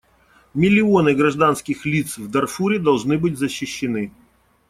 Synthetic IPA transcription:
mʲɪlʲɪo̞nɨɡɾɐʐd̪anskʲɪxlʲit̪svd̪ɐrfuɾʲɪd̪ɐlˠʐnɨbɨtʲzəɕːɪɕːɪnɨ

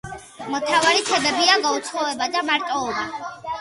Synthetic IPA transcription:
mɔt̪ʰavaɾit̪ʰɛbɛbiaɡaut̪sʰχɔɛbad̪amaɾt̪ʼɔːba

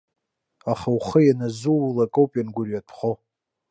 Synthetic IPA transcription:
aχawχəjanazulakʼowpʼjanɡʷʊrjatʰχo

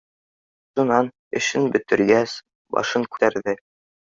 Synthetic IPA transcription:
ʃunɑn | ɘ̆ɕɘnbɵ̆t̪ɘ̆ɾɡæs | bɒ̰ʃɤŋkʉ̥t̪æɾðɘ

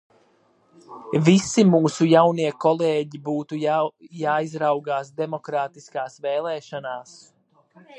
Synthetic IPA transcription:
visimuːsujawniɛkɔlˠeːɟibuːt̪ujaːizɾawɡaːsd̪ɛmɔkɾaːt̪iskaːsvɛːlˠɛːʃanaːs

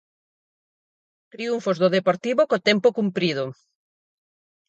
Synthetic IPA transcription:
t̪ɾiuɱfozðoðepoɾt̪iβokot̪ɛmpokumpɾið̞ʊ

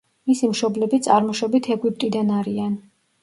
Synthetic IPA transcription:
misimʃɔblɛbit̪sʼaɾmɔʃɔbit̪ʰɛɡwip̚ʼt̪ʼid̪anaɾian

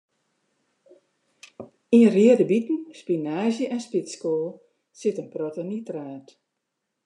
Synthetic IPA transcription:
iəriədəbitn̩spinaːzjəʔɛnspiskoːlˠ | sɪtənprotənitraːt

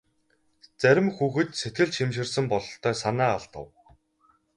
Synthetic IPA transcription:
t͡sæɾʲɪ̆mxuːxɘ̆t̪set̪ɡɘ̆ɮt͡ɕʃimʃɪ̆rsə̆mpɔɮɞ̆ɬt̪ʰːœːsanæːaɮt̪ə̰̆w

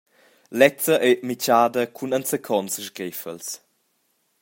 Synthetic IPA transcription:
lɛt͡səʔɛmit͡ʃaːdəkʰunɐnsəkʰɔnsəʃɡɾɛfə̰ls

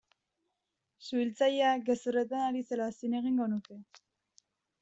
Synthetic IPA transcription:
suilt͡sajeaɡe̞suret̪̬anaɾise̞lasine̞ɣ̞iŋɡo̞nuke̞

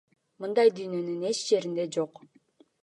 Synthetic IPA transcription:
mɯnd̪ɑjd̪yjnø̞nyne̞t͡ʃd͡ʒe̞ɾind̪e̞d͡ʒo̞q

